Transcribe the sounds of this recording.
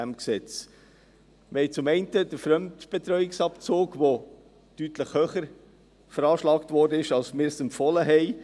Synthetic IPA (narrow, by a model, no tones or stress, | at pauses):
æmksɛt͡s | mɪhɛɪt͡sʊmɛɪntədəɾfɾœmtb̥et̪ɾœʏɪksɑpt͡soːɡʋo | tytləχhøːχəɾ | fəɾɑːʃlɑːktvɔɾdəɪʃɑlsmɪːɾsɛmpfɔləɦɛɪ